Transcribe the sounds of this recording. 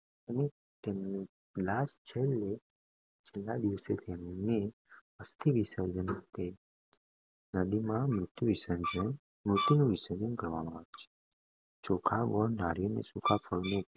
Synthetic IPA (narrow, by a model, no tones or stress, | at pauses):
əne | t̪emni | lad͡ʒt͡ʃʰele | t͡ʃʰelːad̪iʋset̪ʰemne | əst̪ʰiʋisəɾd͡ʒənũke | nəd̪imãmɾʊt̪juʋisənd͡ʒə | mɾʊt̪inũʋisəd͡ʒ̪ənkəɾʋamãaʋet͡ʃʰe̥ | t͡ʃokʰaɡɔɳnaɾjonḛsukʰafʰəɭneupe